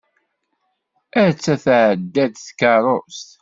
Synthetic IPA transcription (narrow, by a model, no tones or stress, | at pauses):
æt͡sːæθʕəd̪ːæd̪θkɑɾˤost̪